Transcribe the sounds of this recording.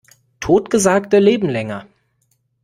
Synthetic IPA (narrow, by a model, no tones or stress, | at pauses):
tʰoːtɡ̥əzaːktəleːbm̩lɛŋɐ